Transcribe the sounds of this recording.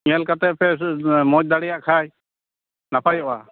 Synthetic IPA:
mɛlkat̪ɛpʰɛmɔd͡ʒ̚d̪aɽɛjaʔkʰaj | napʰajɔʔa

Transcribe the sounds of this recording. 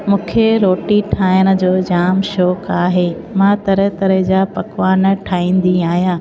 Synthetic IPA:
mũːkʰeɾoːʈiʈʰaːjəɽ̃ə̆d͡ʑoːd͡ʑaːmʃɔːkaːɦeː | mãt̪ɐɾət̪ɐɾəɦd͡ʑaːpɐkʋaːn̆ʈʰaːĩːn̆d̪iaːɦjaː

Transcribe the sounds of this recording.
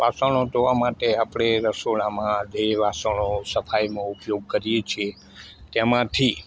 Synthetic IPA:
ʋasəɽ̃od͡ʒ̪oʋamaʈeapɽ̃eɾəsoɭamãd̪ʱeʋasəɽ̃osəfʰajmõupjoɡ̚kəɾijet͡ʃʰie | t̪emãt̪ʰi

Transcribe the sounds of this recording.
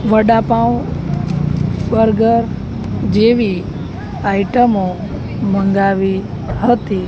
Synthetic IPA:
ʋəɖapãw | ɓəɾɡəɾ | d͡ʒeʋi | aiʈəmõ | mə̃ŋɡaʋi | ɦət̪i

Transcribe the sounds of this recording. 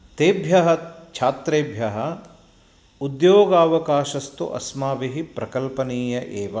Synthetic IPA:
t̪eːbʱjɐɦɐt͡ʃʰaːt̪ɾeːbʱjɐɦɐ | ud̪joːɡaːʋɐkaːʃɐst̪ṵʔɐ̰smaːʋiɦipɾɐkɐlpɐniːjɐʔeːʋɐ

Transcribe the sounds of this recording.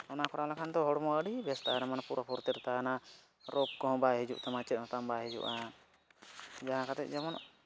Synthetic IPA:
ɔnakɔɽalakʰand̪ɔɦɔɽmɔʔəɽibɛst̪aɛɾamanpuɾapʰɔɾt̪ɛɾt̪ana | ɾɔɡ̚kɔɦɔ̃baɦɛd͡ʒṵʔt̪ɛmãt͡ʃɛt̪̚hɔ̃t̪ambaɦɛd͡ʒṵʔa | d͡ʒaɦãkat̪ɛt̪̚d͡ʒɛmɔn

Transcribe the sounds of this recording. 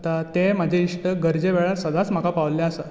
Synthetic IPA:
t̪at̪emad͡ʑʱeiʂʈəɡəɾd͡ʑeʋeɭaɾsəd̪at͡sm̤əkapaʋljeasa

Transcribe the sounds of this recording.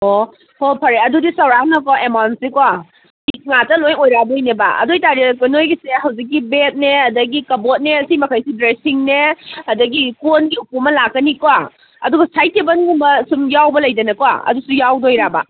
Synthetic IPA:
o | hopʰɐɾeɐdudisɐwɾanɐkaemawnsikwa | ik̚ŋatɐlojojɾabɐjneba̰ɐ̰dojtaɾikunojɡisehɐwzik̚ːibet̚neɐdɐɡikɐbot̚neɐsimɐkʰajsibɾesiŋneɐdɐɡikonɡiupumɐlakːɐnikwa | ɐ̰duɡɐsajtʰebɐnɡumbɐsumjawbɐlɐjdɐnɐkowa̰ɐ̰dusujawdoojɾaba̰

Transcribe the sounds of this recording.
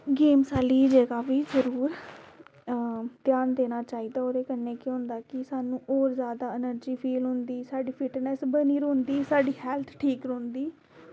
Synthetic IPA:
ɡeːmsaːliːd͡ʒeːɡaːʋiːzəɾuːɾ | t̪jaːnd̪eːnaːt͡ʃaːiːd̪aːoːɾeːkənːeːkeɦʊ̃nd̪aːkɪsaːnũːʔoːɾzjaːd̪aːɪnəɾd͡ʒiːpʰiːlɦʊ̃nd̪iːsaːɖiːpʰɪʈnɛsbəniːɾõːnd̪iːsaːɖiːhɛːlt̪ʰʈʰiːkɾõːnd̪iː

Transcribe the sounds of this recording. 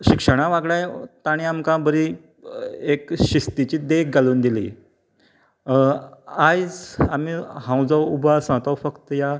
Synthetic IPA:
ɕikʂəɽ̃ãʋaɡɭãjt̪aɽ̃iamkãbəɾi | ekɕist̪it͡ɕiːd̪eɡaluːnd̪ilḭː | ajd͡zamiɦãw̃d͡zaubasãt̪awfəkt̪əja

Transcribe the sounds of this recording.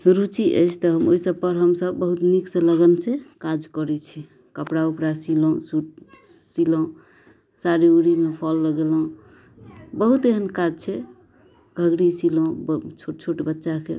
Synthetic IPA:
ɾut͡ʃiʔə̰jt͡ʃʰt̪ɔɦəmoisəb̚pəɾɦəmsəbːəɦut̪nikseləɡənsekad͡ʒkɔɾɛt͡ʃʰi | kəpɽaupɾasilõũsuʈsilõ | saɾiuɽimepʰɔlːəɡelũ | bəɦut̪eɦənkad͡ʒt͡ʃʰɛ | ɡʱəɡɽisilõbt͡ʃʰoʈt͡ʃʰoʈebətːʃakḛ

